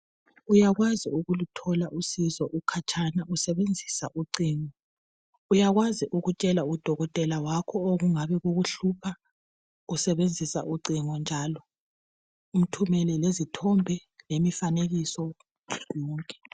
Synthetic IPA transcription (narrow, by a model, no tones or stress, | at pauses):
ujaɣwaziuɣulutʰɔlaʔusizɔʔukʰat͡ʃʰʼanausɛβend͡zʱisa̰ʔuǀiːŋɔ | ujaɣwaziʔuɣut͡ʃʼɛlaud̥ʱɔɣɔtʼɛlawakʰɔoɣuŋaβɛɣuɣuɬupʰa | usɛβend͡zʱisa̰ʔuǀiŋɔnd͡ʒʱalɔ | um̩tʰumɛlɛlezitʰɔmbʱɛlemifaneɣisɔ | jɔːŋkʼɛ̥